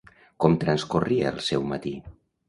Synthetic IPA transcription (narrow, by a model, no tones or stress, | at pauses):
kɔmt̪ɾanskuriaəlˠsɛwmat̪i